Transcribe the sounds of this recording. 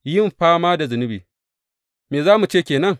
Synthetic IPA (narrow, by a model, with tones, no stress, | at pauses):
jɪ˦mɸaː˦maː˦da˨zʊ˨nɪ˦biː˨ | meː˨zaː˦mu˨t͡ʃeː˦˨kʲeː˨nɐ˦ŋ